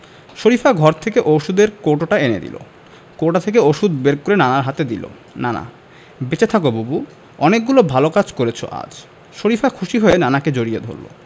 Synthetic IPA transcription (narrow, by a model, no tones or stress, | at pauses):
ʃoɾifʰaɡʱɔɾt̪ʰekeʔoʃud̪eɾkoʈoʈaenḛd̪ḭlo̰ | koʈat̪ʰek̬eoʃud̪beɾkoɾenanaɾɦat̪ed̪ilo̰ | nana̰ | bet͡ɕet̪ʰakobubu | ɔnek̚ɡulobʱalokad͡ʑkoɾet͡ɕʰo̰ʔa̰d͡ʑ | ʃoɾifʰakʰuʃiɦɔenanaked͡ʑoɾijed̪ʱo̰ɾllo̰